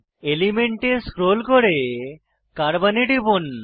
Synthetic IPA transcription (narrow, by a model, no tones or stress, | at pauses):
elimeɳʈeskɾolkoɾe | kaɾbaneʈibun